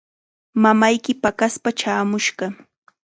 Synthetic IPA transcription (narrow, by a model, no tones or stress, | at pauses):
mamajkɪpakaspat͡ʃaːmʊʃɢɑ